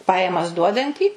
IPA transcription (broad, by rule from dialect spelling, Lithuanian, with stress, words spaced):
ˈpɑːjɛmɐs ˈduɔdɐnʲtʲiː